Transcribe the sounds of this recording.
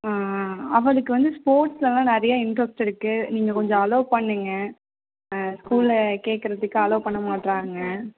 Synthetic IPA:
aːɐʋɐɐðɯkːɯʋɐnd̪ɯspoːɾʈslɐlãːnɛɾɐjɐɪɳʈɾɐsʈɪɾɯkːɯniːŋɡɐkɔɲd͡ʒɔ̃ɐloːpɐɳːiːŋɡɐ | skuːlɐkeːʈ̚kɪɾɐðɯkːɯɐloːpɐɳːɐmaːʈɾaːŋɡɐ

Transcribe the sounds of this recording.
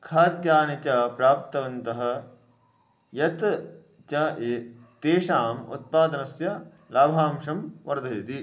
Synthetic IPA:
kʰaːt̪jaːnit͡ʃɐpɾaːp̚t̪ɐʋɐnt̪ɐɦɐ̆ | jɐt̪ | t͡ʃɐet̪eːʂaːmṵt̪̚paːd̪ɐnɐsjɐ | laːbʱaːmʂɐmʋɐɾd̪ʱeːt̪i

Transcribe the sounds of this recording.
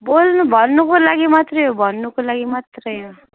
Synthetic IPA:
bolnubʱʌnːukolaɡimat̪rʌjobʱʌnːukolaɡimat̪rʌjɦo

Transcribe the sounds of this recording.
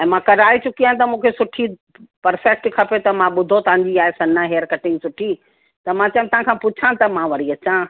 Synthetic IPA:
ɛ̃ːmãkɐɾaːit͡ɕʊkiaːɪ̃t̪ɐmũːkʰesʊʈʰi | pɐɾfɛk̚ʈkʰɐpet̪ɐmãɓʊd̪ʱot̪ɐɦãɲd͡ʑiaːɦesɐnəɦeːəɾkɐʈɪ̃ŋɡsʊʈʰi | t̪ɐmãt͡ɕɐːj̃ʊ̃mt̪ɐɦãkʰãːpʊt͡ɕʰãt̪ɐmãʋɐɽ̤iɐt͡ɕã

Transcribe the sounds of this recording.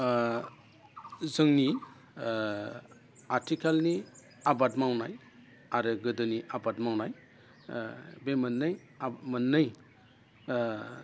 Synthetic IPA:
zɯŋni | aɾtʰikʰalni | abatmawnaj | aɾɯɡɯdɯniʔabat̚mawnaj | bemɯnːɯj | mɯnːɯj

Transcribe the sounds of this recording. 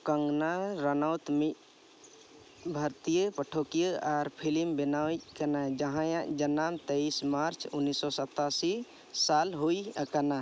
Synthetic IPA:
kəŋɡnaɾənawt̪mi | bʱəɾt̪ijəpəʈʰokijəʔaɾpʰilimbenajkənad͡ʒəɦãjãd͡ʒənamt̪əismaɾt͡ʃʰunːisːɔsət̪asi | salɦoiəkəna

